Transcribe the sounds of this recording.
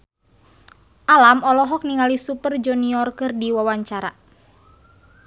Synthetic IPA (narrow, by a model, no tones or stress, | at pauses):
ʔalamɔlɔɦɔk̚niŋalisupərd͡ʒɔniɔrkɨrdiwawaɲt͡ʃaɾa̰